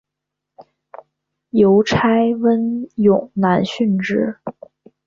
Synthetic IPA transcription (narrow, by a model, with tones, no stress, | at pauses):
jo˧˥ʊʈ͡ʂʰa˥ɪwə˥njʊ˨˩ŋna˧˥nɕy˥˧nʈ͡ʂɻ̩˥˩